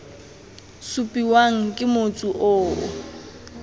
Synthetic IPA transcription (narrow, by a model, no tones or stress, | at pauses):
supʼiwaŋ̩kʼɪmot͡sʼuʔo̰ː